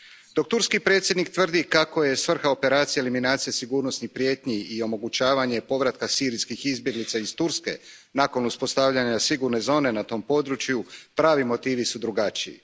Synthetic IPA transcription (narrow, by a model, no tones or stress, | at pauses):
d̪̥o̞k̚t̪uɾskipɾe̞ːt̪sje̞d̪nikt̪ʋr̩d̪ikako̞je̞sʋr̩xao̞pe̞ɾaːt̪sijeliminaːt̪sijesiɡuːɾno̞snixpɾje̞ːt̪ɲiio̞mo̞ɡut͡ɕaːʋaɲe̞po̞ʋɾat̪̚kasiːɾiskixizbʲje̞ɡlit̪saist̪uɾske̞̰ | nako̞nuspo̞st̪aʋʎaɲasiɡuɾne̞zo̞ːne̞nat̪o̞ːmpo̞d̪ɾut͡ʃjupɾaːʋimo̞t̪iːʋisud̪ɾuɡat͡ʃiḭ